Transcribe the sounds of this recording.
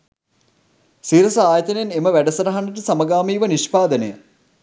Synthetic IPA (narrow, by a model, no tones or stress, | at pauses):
siːɾɐsɐaːjɐt̪əneneməʋæɖɐsɐɾɐɦɐnːəʈəsamɐɡaːmiːʋɐniʃpaːd̪ənəjə̰